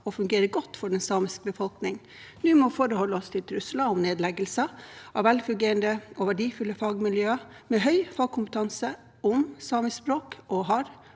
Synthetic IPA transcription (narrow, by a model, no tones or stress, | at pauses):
ɔfʉŋɡeːɾəɡɔt̪ːfɔɖɛnsɑːmɪsk̚bəfɔlknɪŋ | nʉːmɔfoːɾəhɔlːəɔst̪ʰɪlt̪ʰɾʉslɑʊmneːd̪lɛɡəlsəʔɑʋɛlfʉŋɡeːɾənd̪əɔʋæɖiːfʉlːəfɑːɡmɪljøː | mɛɦœʏfɑːɡ̚kʰʊmpət̪ʰɑnsə | ʊmsɑːmɪspɾoːkʔɔɦɑɾ